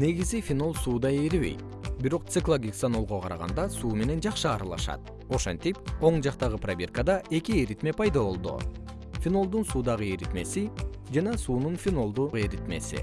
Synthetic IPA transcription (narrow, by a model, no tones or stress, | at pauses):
ne̞ɡizifʲino̞lˠsuːd̪ɑjeɾβe̞̰jt̪̚ | biɾo̞q̚t̪sɨklˠoɡʲiksano̞lˠʁoqʰɑɾɑʁɑ̰nd̪ɑsuːme̞ne̞nd͡ʒɑqʃɯɑɾɑlˠɑ̰ʃɑ̰t̪̚ | o̞ʃent̪ipo̞ɴd͡ʒɑqt̪ɑʁɯpravʲe̞rkəd̪ɑʔe̞kieɾit̪me̞pʰɑjd̪ɑβo̞lˠd̪ṵ | fʲino̞lˠd̪unsuːd̪ɑʁɯeɾit̪me̞̰si | d͡ʒɑnɑsuːnunfʲino̞lˠd̪ueɾit̪me̞̰sḭ